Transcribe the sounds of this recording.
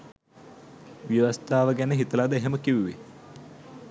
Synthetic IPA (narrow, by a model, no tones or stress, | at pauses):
ʋjəʋast̪aːʋəɡænəɦit̪əlad̪əeɦeməkiʋuʋḛ